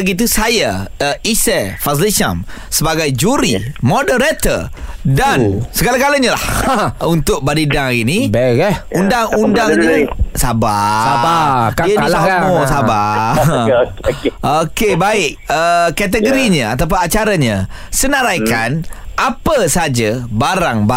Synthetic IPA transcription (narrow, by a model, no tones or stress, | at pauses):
ɡit̪̬usajaəisəfas̬liʃa̰m | səbaɡajd͡ʒuɾimɔdəɾet̪ə̰dansəɡalaɡaləɲala̰hunt̪ʊk̚baɾidaŋinibɛkɛundaŋundaŋɲasabaabakalamosaba | okebaɪk̚əkat̪̬əɡoɾiɲəat̪ap̬anat͡ʃaɾaɲə̃ | sənaɾajkanapəsəad͡ʒabaɾaŋba